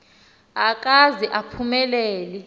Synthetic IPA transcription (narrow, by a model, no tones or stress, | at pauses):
ak̬ʼaziʔapʰumɛlɛːli